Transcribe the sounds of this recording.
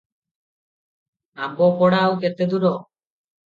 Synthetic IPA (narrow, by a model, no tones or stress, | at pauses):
abɔpɔɽawket̪ed̪uɾɔ